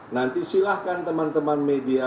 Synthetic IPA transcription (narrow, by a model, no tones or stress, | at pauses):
nant̪isilahkant̪əmant̪əmanmedia